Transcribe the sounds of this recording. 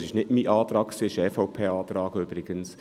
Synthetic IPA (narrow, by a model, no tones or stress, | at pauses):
sɪʃnɪtmiʔɑːt̪ɾɑːkksiːɪʃɛfɔʊpʰeːɑːt̪ɾɑːɡøb̥ɾɪɡ̥əns